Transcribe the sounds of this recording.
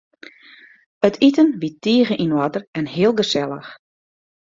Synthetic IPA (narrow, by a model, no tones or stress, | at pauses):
ətʰitənʋitːiːəɣəʔinwadərɛnhɪəlˠɡəsɛlˠə̰x